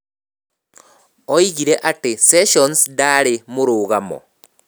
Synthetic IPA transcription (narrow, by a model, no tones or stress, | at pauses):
oiɣiɾeʔateseʃonsdaɾemuɾuːɣamɔ̰